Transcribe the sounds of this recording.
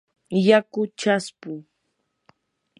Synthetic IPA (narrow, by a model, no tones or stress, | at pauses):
jakʊt͡ʃaspʊ